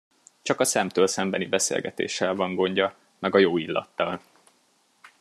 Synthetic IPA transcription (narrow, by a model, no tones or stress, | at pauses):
t͡ʃɒkɒsɛmt̪øːlsɛmbɛnibɛsḛːlɡɛt̪ḛːʃːɛlvɒŋɡo̞ɲɟɒ | mɛɡɒjoːilːɒ̰t̪ːɒl